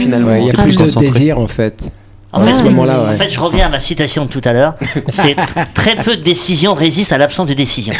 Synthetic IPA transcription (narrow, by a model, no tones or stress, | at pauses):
finalm̃iljaplysd̪əd̪eziʁɑ̃fɛt̪ | ɑ̃fɛtsəɔmɑ̃lawɑ̃ɛfɛt̪ʒəʁəvjɛ̃amasit̪asjɔ̃d̪ət̪ut̪alœːʁsɛt̪χɛpød̪əd̪esizjɔ̃ʁezist̪alapsɑ̃sd̪ed̪esizjɔ̃